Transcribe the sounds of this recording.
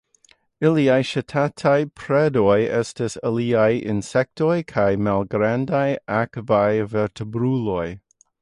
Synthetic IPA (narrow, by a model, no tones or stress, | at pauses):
iliajʃatʰatʰajpʰɾedo̞jestasaliajḭnsek̚to̞jkʰajmalɡɾandajʔakvajveɾtʰebɾulo̞j